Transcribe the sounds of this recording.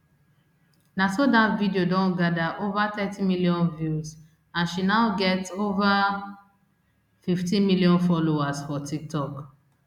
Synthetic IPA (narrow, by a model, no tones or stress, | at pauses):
nasodatvidiodɔ̃nɡadaʔovat̪ɛtʰimilijɔ̃nvjuz | ãnʃinaʊɡɛtova | fiftĩmiliɔ̃nfɔloasfɔtʰik̚tʰɔk